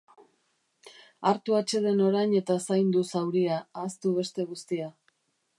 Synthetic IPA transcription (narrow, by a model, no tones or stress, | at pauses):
aɾt̪uat͡ʃe̞ðe̞no̞ɾajɲe̞t̪asajnd̪usawɾiaːst̪uβ̞e̞st̪e̞ɣ̞ust̪ia